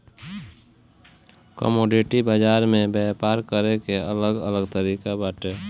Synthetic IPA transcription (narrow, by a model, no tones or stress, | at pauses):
kə̰moːɖiʈibaːd͡ʒaːɾmẽbɛpaːɾkəɾekeələɡələɡt̪əɾiːkabaːʈeː